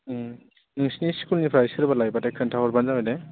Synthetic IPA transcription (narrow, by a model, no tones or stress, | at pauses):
nɯŋsniskʰulnipʰɾaisɯɾbalajbatakʰɯntʰaɦɔɾbanzamade